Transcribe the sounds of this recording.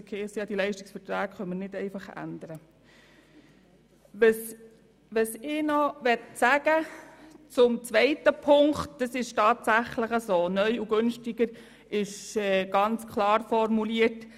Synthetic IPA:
kʰeːsijɑːd̥̪ilɛɪʃtɪ̥ksfətɾæːkχœnməɾnɪdɛɪfɑχæ̰nd̪əɾə | ʋəs | ʋəsɪnɔʋɛtsæɡ̥ət͡sʊmt͡sʋɛɪtəpʰʊŋktd̥ɑsɪʃtɑːt̪sæχləχəsoːnœʏuɡønʃtiɡəɾ | ɪʃɛɡ̥ɑnt͡skʰlɑːɾfɔɾmuliət

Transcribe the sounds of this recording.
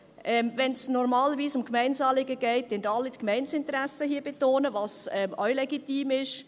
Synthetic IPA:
ʔɛmvɛnsnɔɾmɑːləviːsʊmkmɛɪnsɑːlɪɡəɡɛɪt̚dɛndɑlːitkmɛɪnsɪnt̪əɾæsəɦiːb̥etoːnəvɑsɛmʔœʏlɛɡitiːmɪʃ

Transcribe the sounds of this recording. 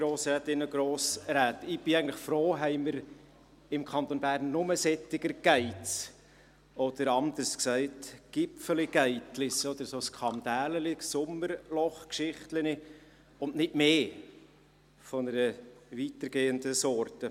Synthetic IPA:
ɡɾoːsɾɛːt̪ɪnəɡɾoːsɾæːt̪ɪb̥ɪæɪɡən̩tləχfɾoːɦɛɪməɾ | ɪmkʰɑnt̪onbæɾnːʊməsɛt̪ːɪɡəɾɡ̥æɪt͡s | ɔd̪̥əɾɑnd̪əɾsksæɪtɡ̥ɪpfəliɡ̥æɪtlɪsɔd̥̪əɾsoːskχɑmd̥̪æːləlɪksʊməɾlɔχkʃɪχtləni | ʊnnɪtmeː | fɔnəɾəvit̪əɾɡ̥eːənd̪əsɔrtə

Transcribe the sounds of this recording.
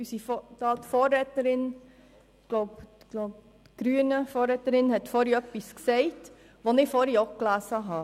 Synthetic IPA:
ysiftɑːtfɔːɾɛtəɾɪn | ɡ̥loʊb | ɡ̥loʊp̚ | ɡ̥ɾyənəfɔːɾɛtəɾɪnhɛtfɔɾiœpːisksɛɪt | ʋonɪfɔɾjɔklæːsəɦɑː

